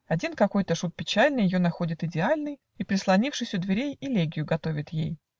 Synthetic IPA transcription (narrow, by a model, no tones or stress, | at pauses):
ɐdʲinkɐko̞jt̪əʂut̪̚pʲɪt͡ɕælʲnɨjɪjo̞nɐxo̞dʲɪt̪ɨdʲɪalʲnɨj | ipɾʲɪslˠɐnʲifʂɨsʲʊd̪vʲɪɾʲejɪlʲeɡʲɪjʊɡɐt̪o̞vʲɪt̪jḛj